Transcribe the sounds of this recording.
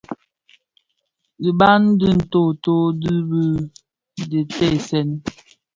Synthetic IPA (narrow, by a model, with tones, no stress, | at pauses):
di˨ba˦n˦di˦n̩˨to˦˨to˦di˦bə˦ | də˨tɛ˦˨sɛ˦˨n˦